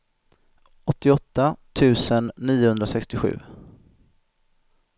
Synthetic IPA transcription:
ɔt̪ːɪɔt̪ːat̪ʰʉ̟ːsənːiːʊhɵnd̪ɾasɛkst̪ɪɧʉ̟̰ː

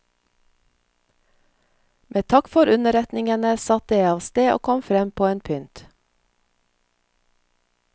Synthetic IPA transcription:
mʔeːt̪ʰɑkfɔɾʉnəɾɛt̪nɪŋənəsɑt̪jæɪɑːʋst̪eːʔo̰ːkʰɔmfɾɛmpʰoːeːnpʰʏnt̪

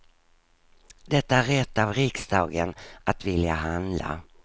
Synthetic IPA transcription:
d̪ɛt̪ːaæɾɛt̪ːavɾɪksd̪ɑːɡənʔat̪vɪljaɦand̪la̰

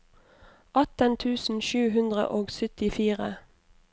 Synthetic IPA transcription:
ʔɑt̪ənt̪ʰʉːsn̩ʃʉːɦʉnd̪ʁə̰ʔoːɡsœt̪ɪfiːʁə

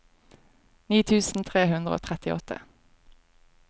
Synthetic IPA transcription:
niːt̪ʰʉːsn̩t̪ʰʁeːɦʉnd̪ʁəo̰ːt̪ʰʁɛt̪ɪɔ̰t̪ʰə̰

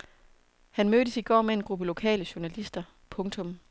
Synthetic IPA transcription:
hænmøːd̥əsiɡ̥ɒ̰ːmee̝nɡ̥ʁub̥əlo̝kʰɛ̰ːləɕuɐnælisd̥ɐ | pʰɔ̽ŋt͡sʰɔ̽m

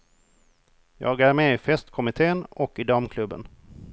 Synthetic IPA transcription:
jɑ̰ːɡæɾmeːɪfɛst̪kʰɔmɪt̪ʰeːənɔkːɪd̪amkʰlɵbːə̰n

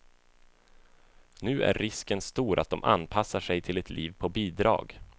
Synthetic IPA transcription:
nʉ̟ːʔæ̰ɾːɪskənst̪uːɾʔa̰t̪̚d̪ɔmʔa̰npʰasːaʂɛjt̪ʰɪlɛt̪ʰliːvpʰɔbiːd̪ɾɑ̰ːɡ

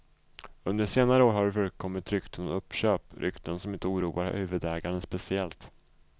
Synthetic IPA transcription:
ɵnd̪əʂeːnaɾəoːɾhaɖɛfœɾkʰɔmːɪt̪ɾʏkt̪ʰənɔɵpːɕøːpɾʔʏ̰kt̪ənsɔmɪnt̪əuːɾuːa̰ɾhʉ̟ːvɵd̪ɛːɡaɳənspɛsɪɛlt̪

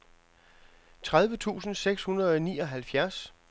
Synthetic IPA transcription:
t͡sʰʁað̞ˠʋət͡sʰṵːsn̩seɡ̥shunɐð̩ˠɒ̽nḭːɒ̽ɦælfjæɐs

